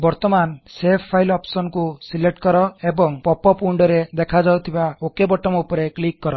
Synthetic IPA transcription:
bɔɾt̪ɔmansepʰpʰːailɔpsɔnkusileʈkɔɾɔebɔŋpɔpɔpuɳɖɔɾed̪ekʰad͡ʒawt̪ʰibaokebɔʈɔmupɔɾeklikːɔɾɔ

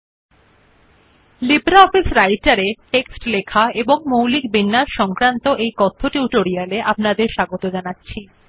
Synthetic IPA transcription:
libɾaɔfisɾajʈaɾeʈeksʈlekʰaeboŋmowlikbinːaɾʃɔŋkɾant̪oʔejkɔt̪ʰːoʈiuʈoɾialeʔapnad̪eɾʃaɡot̪od͡ʑanatːɕʰi

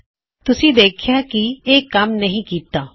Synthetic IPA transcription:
t̪ʊsĩːd̪eːkʰjaːkieːkɐmnɐɦĩːkiːt̪aː

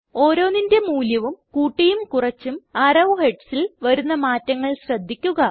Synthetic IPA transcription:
o̞ːɾo̞ːninde̞muːljɐʋumkuːʈːijumkurɐt͡ɕːumɐɾɐʋheɖsilʋɐɾunːɐmaːtːɐŋːɐɭɕrɐd̪ʱːikʲːuɣɐ

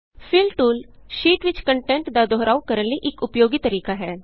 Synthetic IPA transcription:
pʰɪlʈuːl | ʃiːʈʋɪt͡ʃkəɳʈɛ̃ːɳʈd̪aːd̪ɔːɾaːukəɾənləiʔɪkʊpjoːɡiːt̪əɾiːkaːɦɛː

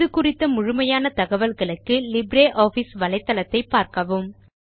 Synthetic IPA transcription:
ðɯkʊrɪt̪ːɐmʊɻʊmɐjaːnɐt̪ɐɣɐʋɐlɣɐɭɯkːɯlɪbɾeːʔoːfɪsʋɐlɐɪt̪ːɐlɐt̪ːɐɪpːaːɾkɐʋɯm

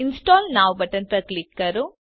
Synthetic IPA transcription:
insʈoːlnaːʋbɐʈɐnt̪ɐklikːɐɾu

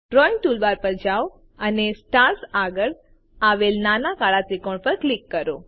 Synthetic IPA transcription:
ɖɾɔiŋ̚ʈulʋaɾpəɾd͡ʒaw | ənesʈaɾsaɡəɭ | aʋelnanakaɭasikoɳpəɾklikːəɾo

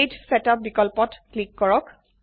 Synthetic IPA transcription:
dsɛtap̚bikɔlpɔtklikːɔɹɔk

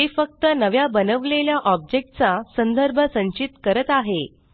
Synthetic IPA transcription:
ɦ̪efək̚t̪ənəʋjabənəʋleljaʔɔb̚d͡ʑek̚ʈ̚t͡sasənd̪ʱəɾbʱəsə̃ɲt͡ɕit̪kəɾət̪aɦe

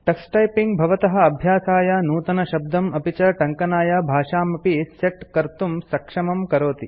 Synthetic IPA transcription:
ʈɐksʈɐjpiŋɡbʱɐʋɐt̪ɐɦɐ̆ɐbʱjaːsaːjɐnuːt̪ɐnɐʃɐb̚d̪ɐmɐpit͡ʃɐʈɐŋkɐnaːjɐbʱaːʂaːmɐpiseʈkɐɾt̪umsɐkʂɐmɐmkɐɾoːt̪i

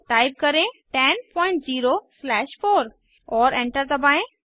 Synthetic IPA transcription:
ʈaːɪb̚kɐɾẽʈɛnpɔ̃ːɪ̃ɳʈziːɾoslɛːʃfoːɾ | ɔːɾẽɳʈəɾt̪ɐbʱaːẽ

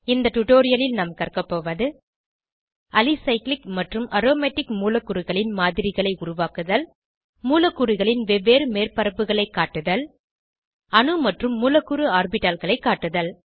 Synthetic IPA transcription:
ɪnd̪ɐʈʊʈoːɾɪjɐlɪlnɐmkɐrkɐpːoːʋɐðɯ | ɐlɪsɐɪklɪkmɐʈrɯmɐɾoːmeːʈːɪkmuːlɐkːʊɾɯɣɐɭɪnmaːðɪɾɪɣɐɭɐɪʊɾʊʋaːkɯðɐl | muːlɐkːʊɾɯɣɐɭɪnʋɛʋːeːɾɯmeːrpɐɾɐpːɯɣɐɭɐɪkːaːʈːɯðɐl | ɐnɯmɐʈrɯmːuːlɐkːʊɾɯaːrbɪʈaːlɣɐɭɐɪkːaːʈːɯðɐl

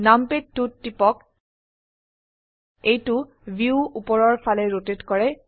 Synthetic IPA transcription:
nampetːutːipɔk | ejtʊ | bʱiuupɔɹɔɹfalɛɹotetkɔɹɛ

